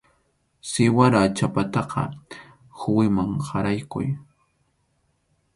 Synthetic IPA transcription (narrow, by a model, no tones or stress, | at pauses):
sɪwaɾat͡ʃapat̪ɑqɑ̰ | xʊwɪmaŋhaɾajkʊ̰j